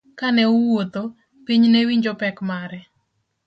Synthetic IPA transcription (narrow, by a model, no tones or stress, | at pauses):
kanɛʊwot̪o | piɲnɛwiɲd͡ʒɔpɛkmaɾɛ